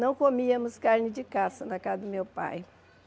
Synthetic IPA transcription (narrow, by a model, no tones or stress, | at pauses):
nɐ̃w̃komiɐmʊskaɾnɪd͡ʒɪkasɐnɐkazɐd̪ʊmewpa̰j